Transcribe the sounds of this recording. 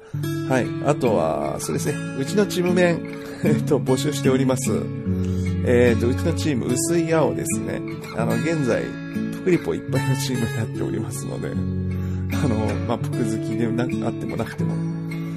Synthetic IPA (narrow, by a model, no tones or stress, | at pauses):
haia̰t̪o̞βa̰so̞ːd̪e̞sɨne̞ | ɯ̟t͡ɕino̞t͡ɕimɯ̟mẽ̞ŋ | et̪o̞bo̞ɕɨːɕi̥t̪e̞o̞ɾʲimasɨ̰ | eːt̪ːo̞ɯ̟t͡ɕino̞t͡ɕiːmɯ̟̰ɯ̟sɨiao̞d̪e̞sɨne̞̰ | ano̞ɡẽ̞nd͡za̰ḭ | pɯ̥kɯ̟ɾʲipːo̞ḭpːainot͡ɕiːmɯejat̪ːe̞o̞̰ɾʲḭmasɨno̞̰d̪e̞̰ | ano̞maːpo̥kɯ̟zɨkʲid̪enaat̪ːe̞mo̞̰nakɯ̟̥t̪e̞mo̞̰